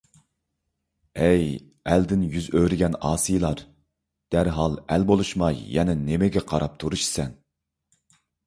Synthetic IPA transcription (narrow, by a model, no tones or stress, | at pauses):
ɛj | ɛld̪ɪnjyzøɾɪɡʲɛnɑːsɨjlˠɑɾ | d̪̥æɾɦɑlˠælbolˠuʃmɑjjɛnɛnemɪɡʲɛqʰɑɾɑp̚t̪ʰuɾuʃsɛn